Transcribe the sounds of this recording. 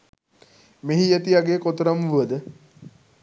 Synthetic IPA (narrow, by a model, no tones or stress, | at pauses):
meɦijet̪iaɡeːkot̪əɾamʋuʋəd̪ə